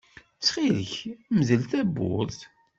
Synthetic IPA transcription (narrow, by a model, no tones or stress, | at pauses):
t͡sːχiləçmzəlθæbːʊ̰ɾθ